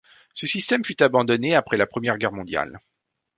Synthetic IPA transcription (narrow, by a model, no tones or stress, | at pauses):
səsist̪ɛmfyt̪abɑ̃d̪ɔneapχɛlapχəmjɛʁɡʲɛʁmɔ̃d̪ja̰l